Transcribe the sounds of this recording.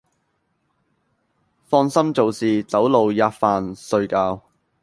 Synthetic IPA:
fɔː˧nsɐ˥mt͡so˨˧wsiː˨t͡sɐ˨˥wlo˨wjaː˧tfaː˨˧nsɵ˧ɥkaː˧w

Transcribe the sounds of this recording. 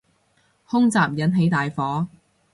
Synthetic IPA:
hʊ˥ŋt͡saː˨p̚jɐ˨˥nɦe˨˥jt̪aː˨jfɔː˨˥

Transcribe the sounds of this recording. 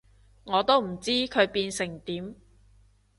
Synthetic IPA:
ŋɔː˨˧t̪o˥wm̩˨˩t͡siː˥kʰɵ˨˧ɥpiː˧nsɪ˨˩ŋt̪iː˨˥m

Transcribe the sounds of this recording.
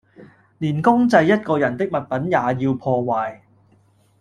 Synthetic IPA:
liː˨˩nkʊ˥ŋt͡sɐ˧jːɐ˥t̚kɔː˧jɐ˨˩nt̪ɪ˥k̚mɐ˨t̚pɐ˨˥njaː˨jiː˧wpʰɔː˧waː˨˩j

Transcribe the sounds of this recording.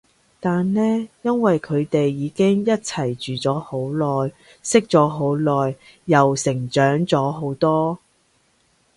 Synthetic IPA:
t̪aː˨nlɛː˥jɐ˥nwɐ˨jkʰɵ˨˧ɥt̪e˨jːiː˨˧kɪ˥ŋjɐ˥t̚t͡sʰɐ˨˩jt͡ʃyː˨t͡sɔː˨˥ho˨˥wlɔː˨j | sɪ˥k̚t͡sɔː˨˥ɦo˨˥wlɔː˨jː | ɐ˨wsɪ˨˩ŋt͡ʃœː˨˥ŋt͡sɔː˨˥ɦo˨˥wt̪ɔː˥

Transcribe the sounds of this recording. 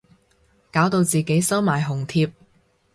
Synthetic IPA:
kaː˨˥wt̪o˧wt͡siː˨ke˨˥jsɐ˥wmaː˨˩jɦʊ˨˩ŋt̪ʰiː˧p̚

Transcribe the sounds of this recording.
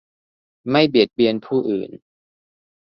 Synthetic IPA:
ma˥˩jbi˨˩t̪̚bi˧ənpʰuː˥˩ʔɯ̰ː˨˩n

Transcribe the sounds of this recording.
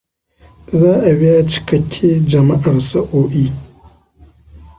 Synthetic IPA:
zaː˦ʔa˨bi˦ja˦t͡ʃɪ̥˦kɐ˨kʲʰːe˦d͡ʒɐ˨ma˦ʔa˨rsɐ˦ʔoː˦ʔiː˦

